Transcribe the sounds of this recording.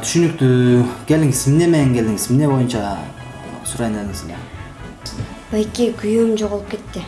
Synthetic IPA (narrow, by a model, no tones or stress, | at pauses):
t̪ʰy̥ʃynyk̚t̪ykʲʰeld̪iŋisminemeeŋkʲe̞ld̪iŋizmɪne̞bo̞junt͡ʃɑ | suɾɑjnelɪŋɪsele | bekʲikʲyjumd͡ʒoʁulˠup̚ke̞t̪ːɪ